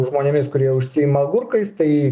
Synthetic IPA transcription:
ʒmoːnʲemʲɪskʊɾʲiɛʊʃʲsʲɪɪmɐɡʊɾkɐɪst̪ɐɪ

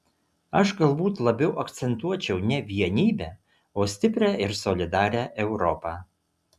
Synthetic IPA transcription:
ɐʃɡɐlˠbuːt̪lˠɐbʲɛʊʔɐkt̪sʲɛnt̪uɔt͡ʃʲɛʊnʲɛʋʲiɛnʲiːbʲæː | oːsʲt̪ʲɪpʲɾʲæːɪɾsɔlʲɪd̪ɑːɾʲæːʔɛʊɾɔpɑː

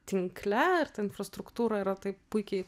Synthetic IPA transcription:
t̪ʲɪŋklʲɛɪɾt̪ɐɪnfrɐst̪ɾʊkt̪uːɾɐiɾɐt̪ɐɪppʊɪkʲɛɪ

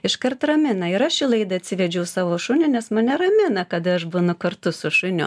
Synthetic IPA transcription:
ɪʃkɐrtt̪rɐmʲɪnɐɪɾɐʃʲɪlˠɐɪd̪ɐɐt̪ʲsʲɪʋʲɛd͡ʒʲɛʊsɑːʋoːʃʊnʲɪnʲɛsmɐnʲɛɾɐmʲɪnɐkɐd̪ɐɐʃbʊnʊkɐɾt̪ʊsʊʃʊnʲʊ̰

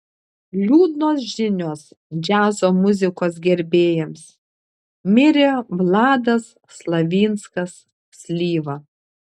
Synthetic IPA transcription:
lʲuːd̪noːs̬ʒʲɪnʲoːs | d͡ʒʲæːzoːmʊzʲɪkoːsɡʲɛɾʲbʲeːjɛms | mʲɪɾʲeʋlˠɑːd̪ɐsːlˠɐʋʲiːnskɐsːʲ | lʲiːʋɐ

